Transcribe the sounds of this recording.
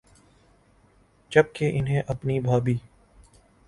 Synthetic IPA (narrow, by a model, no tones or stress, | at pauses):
d͡ʒɐb̚keʔɪnɦẽʔɐpnibʱaːbiː